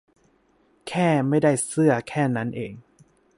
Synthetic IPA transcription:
kʰɛː˥˩ma˥˩jda˥˩jsɯ˥˩ɐkʰɛː˥˩na˦˥nʔeː˨ŋ

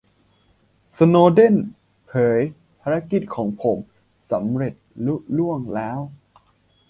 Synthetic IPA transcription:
sa˧noː˧de˥˩n | pʰɤː˩˦j | pʰaː˧ɾa˦˥ki˨˩t̪̚kʰɔː˩˦ŋpʰo˩˦m | sa˩˦mɾe˨˩t̪̚lu˦˥lu˥˩əŋlɛː˦˥w

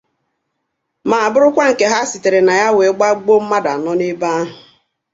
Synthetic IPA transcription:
ma˨a˨bʊ˦ɾʊ˦kʷa˦ŋ̩˨ke˦ɦa˦si˨te˨ɾe˨na˨ja˦we˨˦ɡ͡ba˦ɡ͡bo˦m̩˦ma˦da˨nɔ˦nɪ˦ba˦a˦ɦʊ˨

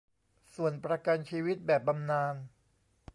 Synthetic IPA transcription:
su˨˩ənpɾa˧ka˧nt͡ɕʰiː˧wi˦˥t̪̚bɛː˨˩p̚ba˧mnaː˧n

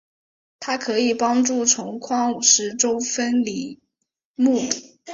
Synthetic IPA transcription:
t̪ʰa˥kʰɤ˧˥i˨˩pɑ˥ŋʈ͡ʂu˥˩ʈ͡ʂʰʊ˧˥ŋkʰwɑ˥ŋu˨˩ʂɻ̩˧˥˩ʈ͡ʂo˥ʊfə˥nli˧˩˦ | mu˥˩i˨˩˦

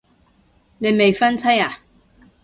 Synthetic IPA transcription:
ne˨˧jme˨jfɐ˥nt͡sʰɐ˥jaː˨

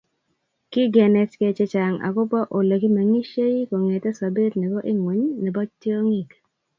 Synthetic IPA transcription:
kɪ˦ɡɛ˨nɛ˨tke˦t͡ʃe˦t͡ʃa˨ŋa̰˨kʊ˦pa˦ʔo˨le˨ki˦ma˨ŋi˦ʃe˦i˦ko˨ŋe˨tɛ˦sa˨be˦t̪nɛ˨bɔ˦ʔɪ˦ŋwe˨ɲnɛ˨bɔ˦t͡ʃti˦o˦ŋi˦k

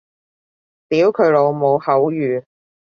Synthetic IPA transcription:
t̪iː˨˥wkʰɵ˨˧˥lo˨˧wmo˨˧whɐ˨˥wjyː˨

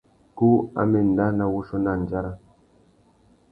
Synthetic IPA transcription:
ku˦a̰˦me˨n̩˨da˦na˨wu˦ʃo˦na˦˨n˨d͡ʒa˦ɾa˦

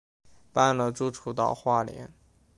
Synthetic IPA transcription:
pa˥˧nlə˨ʈ͡ʂu˥˩ʈ͡ʂʰu˥t̪ɑ̰˨˩ʊxwa˥˩ljɛ̰˧˥n

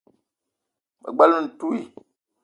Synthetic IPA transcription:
mə̰˨ɡ͡ba˦lu˦˨n̩˨tu˦i˨

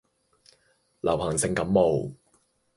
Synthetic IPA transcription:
lʔɐ̰˨˩whɐ˨˩ŋsɪ˨ŋkɐ˨˦mːo˨w

